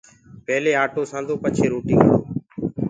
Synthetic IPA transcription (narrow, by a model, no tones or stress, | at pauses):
pɛɦleːaːʈoːsãːnd̪ʱoːpət͡ʃʰeːɾoːʈɪ̃ːŋɡɦəoː